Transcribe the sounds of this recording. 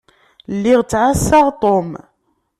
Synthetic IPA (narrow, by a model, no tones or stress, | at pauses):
lːiʁt͡sːʕasːaʁt̪ˤom